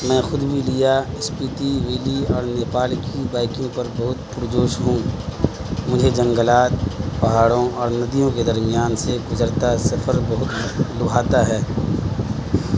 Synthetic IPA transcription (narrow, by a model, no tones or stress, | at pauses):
mɛ̃ːxʊd̪bʱilɪjaɪspiːʈ̪iʋeːliɔːɾneːpaːlkibaːɪkjõpɐɾbɐɦʊt̪pʊɾd͡ʒoːʃɦũː | mʊd͡ʒʱed͡ʒɐ̃ŋɡəlaːt̪pɐɦaːɽõɔːɾnɐd̪ijõked̪ɐɾmijaːnseɡʊzəɾt̪asɐfʰəɾbɐɦʊt̪lʊɡʱaːt̪aɦɛː